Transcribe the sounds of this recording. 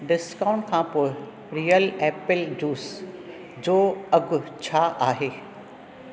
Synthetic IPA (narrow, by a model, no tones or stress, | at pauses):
ɖɪskaːʊ̃ɳʈ̚kʰãːpoːɪ | ɾiːəlɛːpɪld͡ʑuːs | d͡ʑoːɐɡʱʊt͡ɕʰaʔaːɦeː